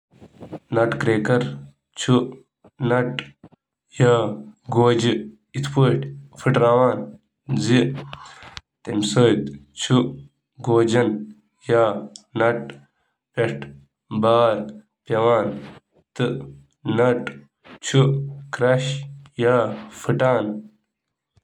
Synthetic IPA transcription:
nɐʈkɾeːkɐɾ | t͡ʃʰu | nɐʈ | jaːɡoːd͡ʑi | it̪ʰpoːʈfʰiʈɾaːwaːn | zi | t̪emsoːt̪t͡ʃʰu | ɡoːd͡ʑɐn | jaːnɐʈ̚ | peʈ | baːɾ | pɐwaːn | t̪ɨ | nɐʈ | t͡ʃʰukɾɐɕjaːfɨʈaːn

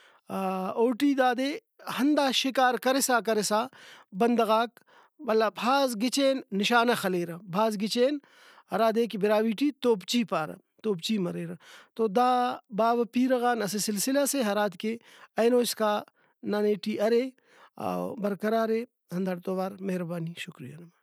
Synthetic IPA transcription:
oːʈiːd̪aːd̪eː | hɐnd̪aːʃikaːɾkɐɾesaːkɐɾesaːbɐnd̪ɐɣaːk̚ | bɐlːabʱaːzɡɪt͡ʃeːnːɪʃaːnɐxɐleːɾɐbʱaːzɡɪt͡ʃeːn | hɐɾaːd̪eːkibɪɾaːʋiːʈit̪oːpt͡ʃiːpaːɾɐ̰ | t̪oːpt͡ʃimɐɾeːɾɐt̪oːd̪aːbaːbɐpiːɾɐɣaːnɐsesɪlsɪlaseɦɐɾaːt̪keɐjnoːskaː | naːneːʈiɐɾe | a̰bɐɾkɐɾaːɾe | ɦɐnd̪ɐɽt̪oːʋaːɾmɐɦɾɐbaːniʃʊkɾija̰nɐmɐ

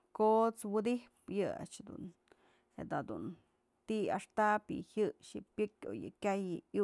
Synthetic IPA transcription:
kot͡swɨd̪ihpjɨa̰t͡ʃd̪ṵn | ed̪ad̪un | t̪ia̰ʂt̪apjɨ̰hɨʃɨpʲjɨkʲo̰jɨ̰kʲajɨj

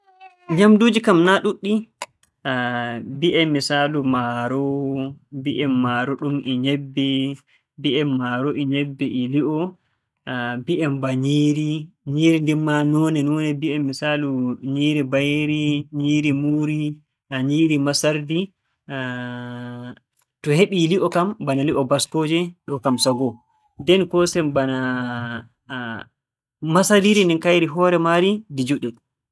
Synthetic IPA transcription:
ɲamduːd͡ʒikamnaɗuɗːi | biʔɛmːisaːlumaɾɔ | biʔɛmːaːɾɔɗumʔiɲɛbːɛ | biɛmːaɾɔʔiɲɛbːɛʔiliʔɔ | biʔɛmbaɲiːɾiɲiɾindimanɔːnɛnɔnɛbiɛmːisaluɲiːɾibajeɾiɲiːɾimuɾi | aɲiːɾimasaɾdi | tɔheɓiliʔɔkambanaliʔɔbaskoːd͡ʒɛɗɔkamsaɡɔ | ndɛnkɔsɛmbana | masadiɾindinkajɾiɦɔɾɛmaɾidid͡ʒuɗɛ

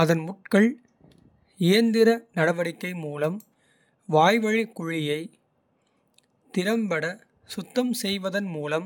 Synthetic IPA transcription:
ɐðɐnmʊʈ̚kɐɭ | ɪjɐnd̪ɪɾɐnɐɽɐʋɐɽɪkːɐɪmuːlɐm | ʋaːjʋɐɻɪkːʊɻɪjɐɪ | t̪ɪɾɐmbɐɽɐ | sʊt̪ːɐmsɛjʋɐðɐnmuːlɐm

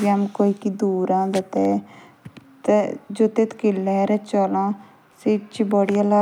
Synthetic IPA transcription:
biamkoːiːkid̪uːɾãːd̪ət̪ɛ | t̪ed͡ʒoːt̪eːt̪kɪlːɛɾɛt͡ʃɔːlãː | seːt͡ʃiːbɔːɽijala

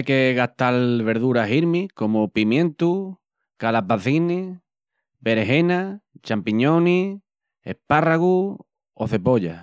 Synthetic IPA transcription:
jkeɣat̪alβe̞ɾðuɾaɦiɾmiko̞mupimjẽ̞nt̪u | kalapaθini | βe̞ɾeɦe̞nat͡ʃampiɲoni | ḛparaɣu | oθe̞po̞ʎa̰

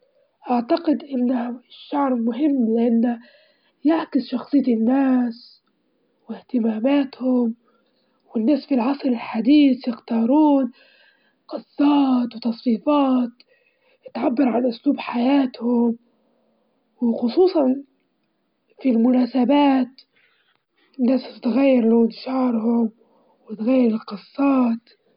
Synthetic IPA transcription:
ʔaʕt̪aqɪd̪ʔɪnːahʃːaʕɾmʊɦɪmːlɪʔanːa | jaʕkɪsʃɑxsˤɨjːɪnːaːs | wɪht̪ɪmaːmaːt̪hʊm | wɪnːaːsfilʕɑsˤɾɪlħad̪iːsjɪxt̪ɑːɾˤuːn | qɑsːɑːt̪wt̪ɑsˤfiːfɑːt̪ | ɪt̪ʕabːɑɾʕanʔʊsluːbħajaːt̪hʊm | wɪxʊsˤuːsˤɑn | filmʊnaːsabaːt̪ | nːaːsɪt̪ɣajːɪɾlʊt̪ʃɑːɾˤhʊm | wɪt̪ɣajːɪɾɪlqɨsˤːɑːt̪

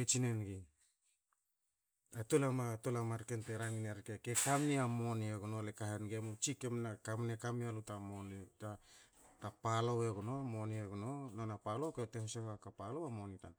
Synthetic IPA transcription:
et͡ʃinenɡi | atolamatolamaɾkenteɾaŋineɾkekekamniamo̞nieɡunolekaɦenɡemut͡ʃikemnakamnekamialutamonta | tapaloweɡuno̞monieɡunononapalo̞ketehseakapalowamo̞nita̰n

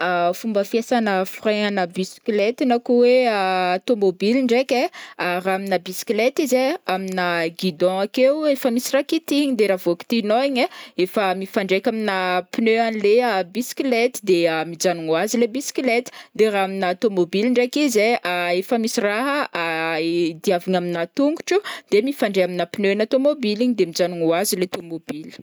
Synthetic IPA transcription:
afumbəfjesanəfraŋanəbisi̥klet̪inakuweaːt̪omobiliɳɖ͡ʐekʲeaɾaminəbisi̥klet̪izeaminəɡid̪ɔ̃akewefəmisiraɦkit̪iɲid̪eɾavoki̥t̪inoiɲeefəmifaɳɖ͡ʐekʲaminəpinøanleəbisklet̪id̪eəmid͡ʒanuŋuazilebiskilet̪i̥d̪eɾaaminat̪omobiliɳɖ͡ʐekizeʔaefəmisiraɦəa | d̪iaviɲaminat̪uŋɡu̥ʈ͡ʂud̪̥emifãɳɖ͡ʐeaminəpinøanat̪omobiliɲid̪emid͡ʒanuŋuazilet̪omobili̥

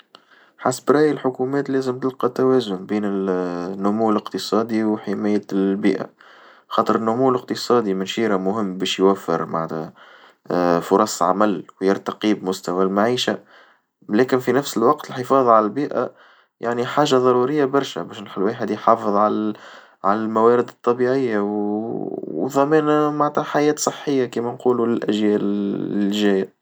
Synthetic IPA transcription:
ħasbɾˤɑːjəlħʊkumɛːt̪lɛːzəmt̪ɪlqɑt̪ːæwɛːzʊnbiːnɪlnːʊmuːləqt̪əsˤɑːd̪iwħɪmæːjəbiːʔa̰ | xɑːt̪ˤəɾənːʊmuːləqt̪əsˤɑːd̪imɪnʃiːɾamʊɦɪmːbɛːʃjwæfːɪ̰ɾma̰ʕt̪æ | fʊɾˤɑsˤʕa̰mælwjɪɾt̪aqibmʊst̪æwælmaʕiːʃa | lɛːkɪnfinæfsɪlwɑqt̪əlħɪfɑːðˤʕalælbiːʔæ̰ | jʔaʕniħaːʒaðˤɑɾˤuɾɪjːabɑɾˤʃæ̰bɛːʃnħɪlwaːħɪd̪jħɑːfɨðˤʕal | ʕalælmæwæːɾɪd̪ɨt̪ˤːɑbiʕɪjːaw | ðˤɑmɛːnmaʕat̪hæħajɛːt̪sˤɨħːɪjːakiːmænquːlulɪlʔæ̰ʒjɛːʔ | ʒæːja

